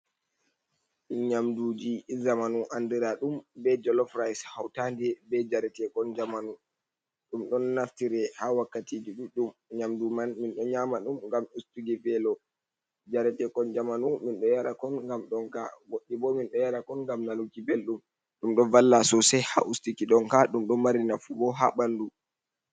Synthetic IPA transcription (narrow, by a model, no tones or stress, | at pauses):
inɲamduːd͡ʒizamanuʔandiɾaɗumbɛd͡ʒɔlɔfɾajshawtandɛbɛd͡ʒaɾɛtɛkɔnd͡ʒamanu | ɗumɗɔnːaftiɾɛhawakːatid͡ʒiɗuɗumɲamdumanminɗɔɲaːmaɗumŋɡamustuɡɛbɛlɔ | d͡ʒaɾɛtɛkɔnd͡ʒamanuminɗɔjaɾakɔnŋɡamɗɔnka̰ɡoɗːibɔminɗɔjaɾakɔnŋɡamnalukibelɗum | ɗumɗɔvalːasɔsɛha̰ʔustikiɗɔnkaɗumɗɔmaɾinafubɔɦa̰ɓandu